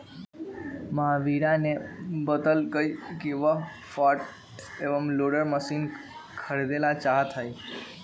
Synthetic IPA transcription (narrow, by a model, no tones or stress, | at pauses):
məɦaʋiɾanebəd̪əlkəjkeʋa | faʈ | eʋəmloɽəɾməsin | kʰəɾed̪elat͡ʃaɦt̪ʰaj